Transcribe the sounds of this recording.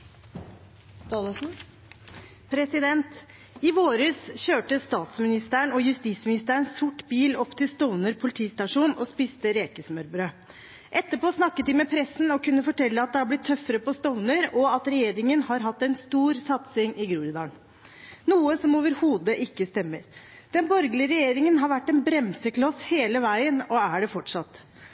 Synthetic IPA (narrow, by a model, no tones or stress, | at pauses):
st̪ɑlsn̩ | pʰɾɛsɪd̪ɛnt̪ | ɪʋoːɾʉːsçøːʈəst̪ɑːt̪smɪnɪst̪əɳɔjʉst̪iːsmɪnɪst̪əɳssʊʈːbiːlɔpːt̪ʰɪlst̪ɔʊnəɾpʰʊlɪt̪ʰiːst̪ɑʂuːnɔspiːst̪əɾeːkəsmœɾbɾøː | ʔɛt̪ːəpoːsnɑkːət̪̚d̪ɪmɛpʰɾɛsːn̩ɔkʉnːəfɔʈʰɛlːəɑt̪̚d̪ɛhɑɾblɪt̪ʰːœfəɾəpɔst̪ɔʋnəɾɔɑt̪ɾɛjeːɾɪŋənhɑɾɦɑt̪ːɛnst̪uːɾsɑt̪sɪŋɪɡɾuːɾɪd̪ɑːɳ | nuːəsɔmoːʋəɾhuːd̪əʔɪkːəst̪ɛmːəɾ | d̪̥ɛnbɔɾɡlɪəɾɛjeːɾɪŋənɦɑɾʋæʈːɛnbɾɛmsəkʰlɔsheːləʋæɪənɔæɖɛfɔʈʂɑt̪ː